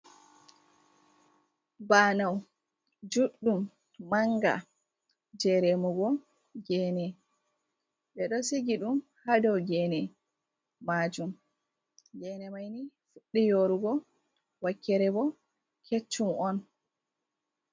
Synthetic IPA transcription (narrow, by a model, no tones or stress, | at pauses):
baːnaw | d͡ʒuɗːumː | aŋɡa̰ | d͡ʒɛɾɛmuɡɔ | ɡɛːnɛ | ɓɛɗɔsiɡiɗumhadɔwɡɛnɛ | maːd͡ʒum | ɡɛnɛmajnifuɗːijoɾuɡɔ | wakːɛɾɛbɔ | kʰet͡ʃːumɔn